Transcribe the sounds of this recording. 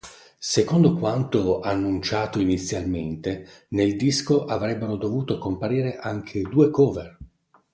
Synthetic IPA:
sekond̪okwant̪oanːunt͡ʃaːt̪oinit̪sːjalment̪e | neld̪iskoʔavɾɛbːeɾod̪ovuːt̪okompaɾiːɾeʔaŋkʰed̪uːekɔːver

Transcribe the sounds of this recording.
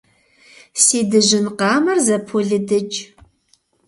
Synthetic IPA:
siːdɨʑɪnqɑːmɐrzɐpʰʊɮɨdɨt͡ʃʼ

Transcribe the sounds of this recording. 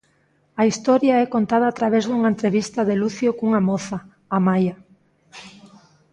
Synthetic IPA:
ɐist̪ɔɾjaɛkont̪að̞aːt̪ɾaβɛzðuŋaent̪ɾeβist̪ɐðeluθjokuŋamoθa | amaja

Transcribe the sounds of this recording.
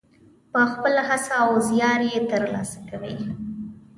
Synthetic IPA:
pəxpəlaɦasaːwzjɑɾjet̪əɾlɑ̰sḁkawḭ

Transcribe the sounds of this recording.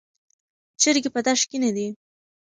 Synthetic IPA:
t͡ʃɪɾɡipəd̪aʂkinad̪i

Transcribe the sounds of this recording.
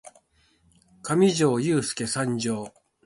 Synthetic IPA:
kamʲiʑo̞ːjɯːsɨ̥ke̞sãɲ̟d͡ʑo̞ː

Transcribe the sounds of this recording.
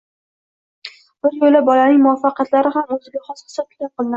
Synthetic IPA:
b̥ɪɾjolabɒlanɪŋmʊɒfːɑqjat̪laɾɪɦamɵzɪɡʲaχɒsχɨ̥sɒp̚kʰɪ̥k̪ʲaqʰɨlˠd̪ɪ

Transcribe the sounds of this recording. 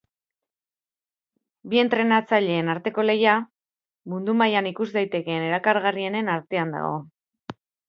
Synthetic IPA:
bie̞nt̪ɾe̞nat͡saʎe̞ːnaɾt̪e̞ko̞le̞ja | mund̪umajanikuzd̪ajt̪e̞ke̞ːne̞ɾakaɾɣarie̞ne̞naɾt̪e̞and̪a̰ɣ̞o̞̰

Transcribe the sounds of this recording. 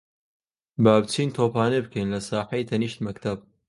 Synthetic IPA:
baːbt͡sʰiːnt̪ʰoːpaːnebɨkʰɐjnlɐsaːħajt̪ʰɐniːʃt̪mɐkt̪ʰɐb̚

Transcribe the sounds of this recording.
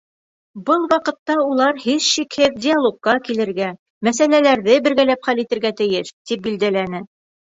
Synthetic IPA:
bɤlˠwɑqɤ̆t̪ːɑulˠɑɾhisʃikhɘðdʲɪalˠokːɑkilɘ̆ɾɡæ | mæsælælæɾðɘbɘ̆ɾɡælæpχælit̪ɘ̆ɾɡæt̪ɘ̆jɘʃt̪ip̚bild̪ælænɘ

